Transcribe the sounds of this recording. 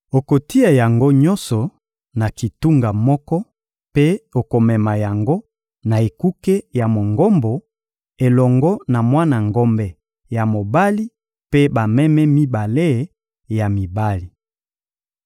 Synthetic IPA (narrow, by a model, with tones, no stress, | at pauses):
o˨ko˨ti˦a˨ja˨ŋɡo˦ɲɔ˦nsɔ˨ | na˨ki˨tu˦ŋɡa˨mɔ˦kɔ˦ | pe˦o˨ko˨mɛ˨ma˨ja˨ŋɡo˦ | na˨e˨ku˦ke˦ja˨mo˨ŋɡɔ˦mbo˨ | e˨lɔ˨ŋɡɔ˦na˨mwa˦na˨ŋɡo˦mbɛ˦ | ja˨mo˨ba˦li˦ | pe˦ba˨mɛ˦mɛ˦mi˦ba˨le˦˨˦ | ja˨mi˨ba˦li˨